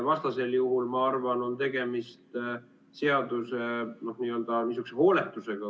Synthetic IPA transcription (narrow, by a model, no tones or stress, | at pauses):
vɑst̪ɑse̞ljuɦulmɑɑrvɑno̞nt̪e̞ɡ̥e̞mist̪ | se̞ɑd̪use̞no̞hniːøld̪̥ɑmis̬ykseko̞ːle̞t̪ːˑuse̞ɡ̥ɑ